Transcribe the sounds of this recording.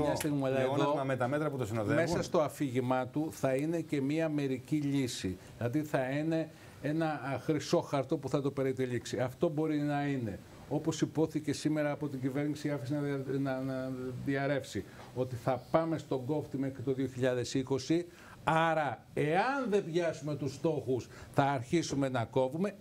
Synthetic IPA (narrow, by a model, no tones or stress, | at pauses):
ɲɐst̪iɣmiɐlɐeðooɐmet̪ɐmet̪ɾɐput̪osinoðeme̞sɐst̪o̞ɐfiʝimɐt̪uθɐine̞ce̞miɐme̞ɾiciʎisi | lɐðiθɐine̞ | e̞nɐxɾisoxɐɾt̪o̞puθɐt̪ope̞ɾit̪iʎiksiɐft̪o̞bo̞ɾinɐine̞ | o̞po̞sipo̞θice̞sime̞ɾɐːpo̞t̪iɲɟive̞ɾnisiɐfisinɐnɐðiɐɾe̞fsi | o̞t̪iθɐpɐme̞st̪o̞ɡo̞ft̪imekt̪o̞ðioçiʎɐðe̞siko̞si | ɐɾɐ | e̞ɐnðe̞bʝɐsume̞t̪ust̪o̞xusθɐːɾçisume̞nɐko̞vume̞